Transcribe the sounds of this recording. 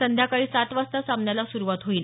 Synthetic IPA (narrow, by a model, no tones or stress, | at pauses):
sənd̪jakaɭiːsat̪ʋast̪asamnjalasuɾuʋat̪ɦoiːl